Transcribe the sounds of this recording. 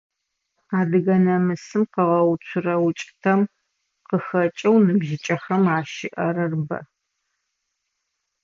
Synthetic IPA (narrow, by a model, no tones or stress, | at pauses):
aːdɨɣɐnɐmɨsɨmqəʁɐwt͡ʃʷʰʊrɐwʊt͡ʃʼtʰɐm | qəxɐt͡ʃʼɐwnɨbʒɪt͡ʃʼɐxɐmaːʃɪʔɐrɐrbɐ̰